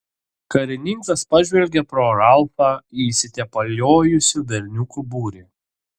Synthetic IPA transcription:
kɐɾʲɪnʲiŋkɐspɑʒʲʋʲɛlʲɡʲɛpɾoːɾɑlˠfɑːiːsʲɪt̪ʲɛpɐlʲoːjʊsʲuʋʲɛɾʲnʲʊkubuːɾʲiː

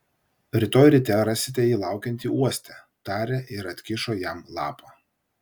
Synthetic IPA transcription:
ɾʲɪt̪oːjɾʲɪt̪ʲɛɾɑsʲɪt̪ʲɛiːlˠɑˑʊkʲɛnʲt̪ʲiːuɔsʲt̪ʲɛ | t̪ɑːɾʲeːʔɪɾɐt̪ʲkʲɪʃoːjæmlˠɑ̰ːpɑː

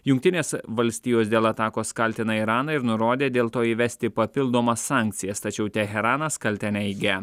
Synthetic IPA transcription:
jʊŋk̚ʲt̪ʲɪnʲeːsʋɐlʲsʲt̪ʲiːjoːsd̪ʲeːlˠɐt̪ɑːkoːskɑlʲt̪ʲɪnɐiɾɑːnɐɪɾnʊɾoːd̪ʲeːd̪ʲeːlˠt̪oːiːʋʲɛsʲt̪ʲɪpɐpʲɪlˠd̪oːmɐsːɑːˑŋʲk̚ʲt̪sʲɪjɛst̪ɐt͡ʃʲɛʊt̪ʲɛɦʲɛɾɑːnɐskɐlʲt̪ʲɛnʲɛɪɡʲɛ

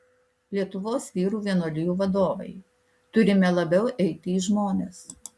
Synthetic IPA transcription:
lʲiɛt̪ʊʋoːsʋʲiːɾuːʋʲiɛnoːlʲɪjuːʋɐd̪oːʋɐ̰ɪ | t̪ʊɾʲɪmʲɛlˠɐbʲɛʊʔɛɪt̪ʲɪːʒmoːnʲeːs

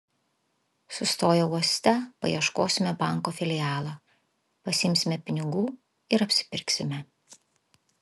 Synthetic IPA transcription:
sʊst̪oːjɛuɔsʲt̪ʲɛpɐ̰jḭɛʃkoːsʲɪmʲɛbɑˑŋkoːfʲɪlʲɪjɑːlˠɑː | pɐsʲɪɪmʲsʲɪmʲɛpʲɪnʲɪɡuː | ɪɾɐpʲsʲɪ̥pʲɪɾʲksʲɪmʲɛ

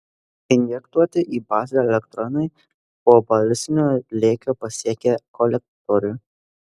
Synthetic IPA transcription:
ɪnʲjɛkt̪uɔt̪ʲɪʔiːbɑːzʲeɛlʲɛkt̪ɾɔnɐɪ | poːbɐlʲɪsʲɪnʲoːlʲeːkʲoːpɐsʲiɛkʲekɔlʲɛk̚t̪ɔɾʲʊ

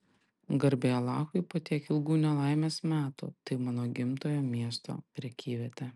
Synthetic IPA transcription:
ɡɐɾʲbʲeːɐlˠɑːxʊɪpoːt̪ʲiɛkɪlˠɡuːnʲɛlˠɑˑɪmʲeːsmʲæːt̪ṵt̪ɐɪmɑːnoːɡʲɪmt̪oːjoːmʲiɛst̪o̰ːpʲɾʲiɛkʲiːʋʲɛt̪ʲɛ

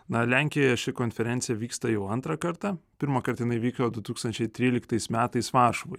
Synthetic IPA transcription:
nɐlʲæŋʲkʲɪjoːjɛʃʲɪkoːnʲfʲɛɾʲɛnt̪sʲɪjɛʋʲiːkst̪ɐjɛʊɐnt̪ɾɐkɐɾt̪ɑpʲɪɾmɐkɐɾt̪ɐjɪnɐɪʋʲiːkod̪ʊt̪uːkst̪ɐnʲt͡ʃʲɛɪt̪ʲɾʲiːlʲɪkt̪ɐɪsmʲæːt̪ɐɪsʋɑːɾʃoʋʊɪ

